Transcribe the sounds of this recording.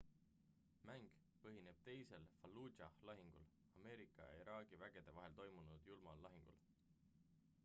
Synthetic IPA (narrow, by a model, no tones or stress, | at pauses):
mæŋɡ̥ | pɤɦine̞b̥̚t̪e̞jse̞lfɑlːuːɑlɑɦiŋɡ̥ul | ɑme̞ːɾikːˑɑ̰jɑ̰iɾʔɑːɡ̥ivæɡ̥e̞d̪̥e̞vɑɦe̞lt̪o̞jmunud̪̥julmɑlːɑɦiŋɡ̥ṵl